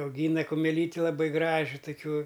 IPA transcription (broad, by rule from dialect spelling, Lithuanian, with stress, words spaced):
ɐʊˈɡʲiːnɐ kʊmʲɛˈlʲiːtʲɪ lˠɐˈbɨ ˈɡrɑːʒʲɪ tʊˈkʲuɔ